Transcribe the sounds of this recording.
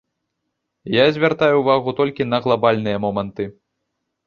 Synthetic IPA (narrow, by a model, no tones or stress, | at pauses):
jazʲvʲart̪ajuvaɣut̪ɔlʲkʲinɐɣlˠabalʲnɨjɐmɔmɐnt̪ɨ